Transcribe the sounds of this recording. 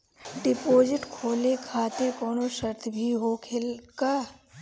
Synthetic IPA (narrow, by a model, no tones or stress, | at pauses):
ɖɪpoːd͡ʒɪʈkʰoːlekʰaːt̪ɪɾkɔːnoʃəɾt̪ʰbʱiɦokʰɪlkaː